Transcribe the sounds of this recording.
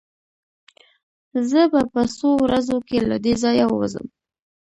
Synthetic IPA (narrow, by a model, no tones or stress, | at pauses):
zəbapəsowɾazokela̰d̪ezɑjawəwa̰zə̰m